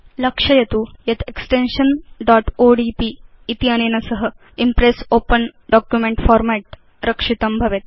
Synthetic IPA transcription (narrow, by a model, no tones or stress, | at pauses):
lɐkʂɐjɐt̪ujɐt̪eksʈenʂɐnɖaːʈoːɖiːpiː | t̪iɐneːnɐsɐɦə | impɾesoːpənɖɔːkjumeɳʈfɔːɾmæʈ̚ | ɾɐkʂit̪ɐmbʱɐʋet̪̚